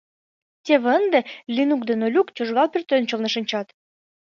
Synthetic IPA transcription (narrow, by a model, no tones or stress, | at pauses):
tʲeβənd̪ĕlʲinuk̚d̪enolʲukt͡ɕoʒɣɑlpʲyrt̪ønt͡ɕolnɤ̆ʃə̆nʲt͡ɕɑt̪